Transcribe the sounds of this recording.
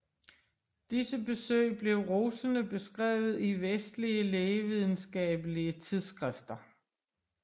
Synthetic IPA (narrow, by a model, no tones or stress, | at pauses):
d̥isəbe̝sø̰ɪb̥le̝ʊʁoːsənəb̥e̝sɡ̥ʁɛ̰ːʊð̞̩ˠiʋesd̥liəleːʋið̞ˠn̩sɡ̥ɛ̰ːb̥əliət͡sʰið̞ˠsɡ̥ʁɛfd̥ɐ